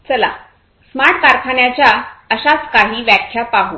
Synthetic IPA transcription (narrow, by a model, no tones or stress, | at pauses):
t͡səla̰ | smaʈkaɾkʰaɳjat͡ɕjaəɕat͡skaɦiːʋjakʰjapaɦu